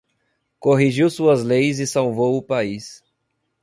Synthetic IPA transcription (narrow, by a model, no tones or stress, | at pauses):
koɦiʒiwsuɐzlejzɪsawvowʊpais